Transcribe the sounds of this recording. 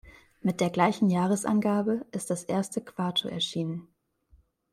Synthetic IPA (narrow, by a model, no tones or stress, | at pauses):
mɪt̚d̥eːɐɡlaɪçn̩jaːʁ̞əsʔa̰nɡaːbəʔɪst̚d̥asʔeːɐstəkv̥aɐtʰo̰ɛ̰ɐʃiːnən